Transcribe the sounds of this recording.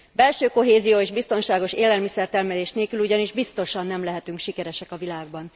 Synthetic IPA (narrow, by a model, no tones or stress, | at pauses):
bɛlʃøːko̞ɦeːzijoːeːʒbist̪o̞nʃaːɡo̞ʃeːlɛlmisɛrt̪ɛrmɛleːʃneːkyluɟɒniʒbist̪o̞ʃɒnːɛmlɛɦɛt̪yŋkʃikɛɾɛʃɛkɒvilaːɡ̚bɒn